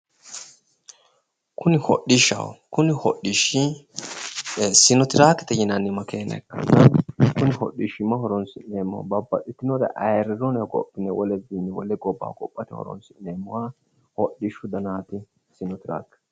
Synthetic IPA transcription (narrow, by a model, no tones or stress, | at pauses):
kʰʊnɪhɔ̰ɗɪʃɐ̰wkʊnɪhɔɗɪʃɪ | sɪnɔt̪ɪɾaːkːɛ̥t̪ɛjɪnɐnːɪmɐkeːnɐ̰kːɐ̰nːɐkʊnɪhɔ̰ɗɪʃɪmːɐhɔɾɔnsɪneːmːɐ̰wbɐbːɐɗɪt̪ːɪnɔd̪ɐ̰ʔɐjɾɪɾɔnɐɡɔ̰pʼːɪnɛwɔlɛzinːɛwɔ̰lɛɡɔbːa̰ːɡʼɔ̰pʼːɐt̪ɛhɔ̰ɾɔ̰nsɪneːmːʊwa | hɔɗːɪʃʊd̪ɐnaːt̪ɪ | sɪnɔt̪ɪɾa̰ːkː